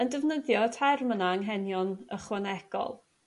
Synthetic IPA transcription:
əndɛvnəðjɔtʰajrmənaəŋɦɛnjɔnəχwɛnɛɡ̥ɔ̰lˠ

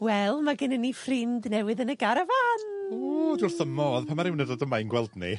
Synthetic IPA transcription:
wɛlˠmaɡɪnənːifrɪndnɛwɨðənəɡaɾavanoːdwʊrθəmɔðpʰamaɾɪwnɛdadəmajnɡwɛlˠdnḭ

